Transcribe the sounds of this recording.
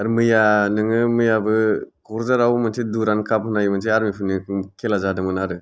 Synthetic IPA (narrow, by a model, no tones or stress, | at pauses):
aɾmɯjanɯŋɯmɯjabɯkʰɔɾzaɾawmɯnsʰeduɾankʰapɦɯnajimɯnseaɾmipʰunikʰelazadɯmɯnaɾɯ